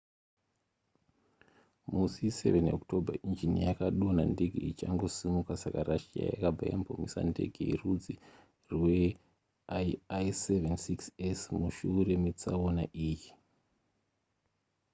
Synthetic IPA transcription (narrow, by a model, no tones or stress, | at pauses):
musise̞̰veno̰ktʰo̞bʱaʔind͡ʒinijakaɗonande̞ɡʱeit͡ʃaŋɡo̞simukasakaraʃia̰ja̰kabʱaja̰mpomisa̰nde̞̰ɡʱeirud͡zi | rwe | aajsevensiksesmuʃuːre̞met͡saonaʔiːji